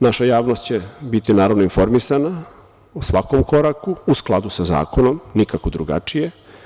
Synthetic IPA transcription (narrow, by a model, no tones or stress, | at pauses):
naʃajaːʋno̞st̪t͡ɕe̞bit̪inaːɾaʋnoinfo̞ɾmisana | usʋako̞mkoɾakuusklˠad̪usaza̰ːkʰo̞no̞mnikakod̪ɾuɡa̰t͡ʃije̞